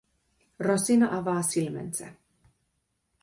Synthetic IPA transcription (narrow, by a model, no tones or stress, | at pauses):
rɔsinaʔavaːsilmɛ̰nt͡sɛ̰